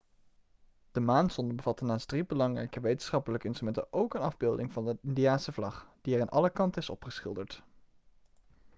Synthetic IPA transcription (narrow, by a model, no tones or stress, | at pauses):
d̥əmaːnsɔndəbəvɑtənaːsdribəlɑŋrɛ̰jkəʋejtən̥̩sχɑpələkəɪnstrymɛntə̰ʔowkənɑvbɪːlˠdɪŋvɑnəɪndiaːnsəvlɑχd̥iɛraːnʔɑ̰ləkɑntəɪsɔ̰pχəsχɪ̰lˠdəɹt